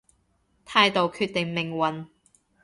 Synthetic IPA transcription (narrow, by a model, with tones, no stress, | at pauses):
t̪ʰaː˧jt̪o˨wkʰyː˧t̪̚ɪ˨ŋmɪ˨˩ŋwɐ˨n